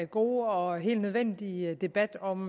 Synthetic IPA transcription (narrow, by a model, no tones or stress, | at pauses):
ɡ̥o̝ːɒ̽ɦe̝̰ːld̥nøð̞ˠʋen̰d̥id̥e̝b̥æd̥ɒ̽m